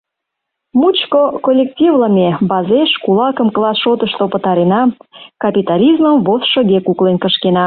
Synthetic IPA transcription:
mut͡ɕkokolʲːektʲivləmebɑzeʃkulɑkəmklɑsʃot̪əʃt̪opət̪ɑɾenɑkɑpʲit̪ɑlʲizməmvosʃə̆ɣekuklenkəʃkenɑ

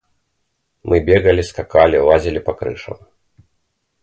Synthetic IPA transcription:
mʔɨbʲɛɣɐlʲiskakalʲilˠazʲilʲipɐkɾɨ̰ʂɐ̰m

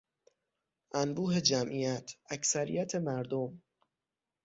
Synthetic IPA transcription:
ʔænbuːɦe̞d͡ʒæmʔijæt̪ʰæcsæɾḭjæt̪ʰe̞mæɾd̪om

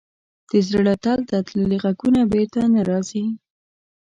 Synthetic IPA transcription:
d̪̥əzɾəɽat̪alt̪at̪ləleɣakunabeɾt̪anaɾɑzi

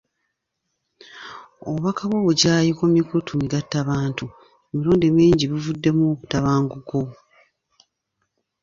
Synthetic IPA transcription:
oβakʰaβoβuɟaːjikomikutʰumiɡatːaβaːntu | emiɾoːndemiːɲɟiβivudːe̞mutaβaːŋɡuɡo

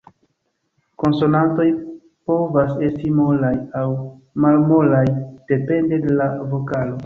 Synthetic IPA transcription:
ko̞nso̞nanto̞j | po̞vase̞stimo̞lajaw | malmo̞lajd̥e̞pe̞nde̞de̞lavo̞kalo̞

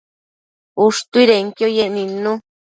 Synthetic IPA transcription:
uʂt̪uiɾeŋkjojenĩnũ

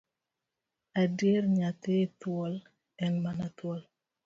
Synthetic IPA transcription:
adjeɾɲat̪ɪtwɔl | ɛnmanat̪wɔl

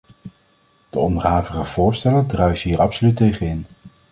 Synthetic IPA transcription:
d̥əɔndərɦaːvəχəv̥ʊːɹstɛlədrœɥsɦiːɹɑpsolytːejχənɪn

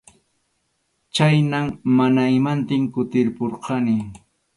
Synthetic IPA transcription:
t͡ʃajnammanaɪmant̪ɪŋkʊt̪ɪɾpoɾqʰɑnɪ

